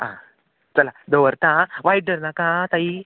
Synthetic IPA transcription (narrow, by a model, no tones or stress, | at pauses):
ã̰ | t͡səlad̪oʋəɾt̪ãʋajɖəɾnakãt̪ai